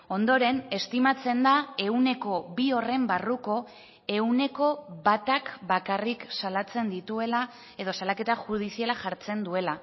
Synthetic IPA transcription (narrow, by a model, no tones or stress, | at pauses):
o̞nd̪o̞ɾe̞ne̞st̪imat͡se̞nd̪ae̞une̞ko̞βio̞re̞mbaruko̞ | e̞une̞ko̞βat̪akbakariksalat͡se̞nd̪it̪ue̞la | e̞ðo̞salake̞t̪axuð̞isialaxaɾt͡se̞nd̪ue̞la